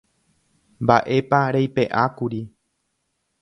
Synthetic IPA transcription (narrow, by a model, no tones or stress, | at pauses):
mbaʔe̞paɾejpe̞ʔakuɾi